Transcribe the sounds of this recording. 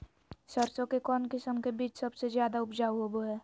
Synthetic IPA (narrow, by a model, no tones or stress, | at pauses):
sɐɾsõkekɔːnkɪsəmkebiːt͡ʃsɐbsezjaːd̪aʊpd͡ʒaːɦoboɦɛː